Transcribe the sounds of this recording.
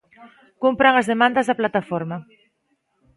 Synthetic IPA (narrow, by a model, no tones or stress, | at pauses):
kumpɾəŋəzðemand̪əzðaplat̪afoɾma